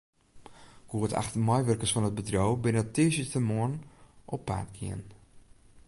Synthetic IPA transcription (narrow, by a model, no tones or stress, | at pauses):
ɡ̥uəta̰xtərmɔjʋərkəsfɔnət̚bədrowbɪnətɪəʃətəmoənʔɔpːa̰ːrtɡḭən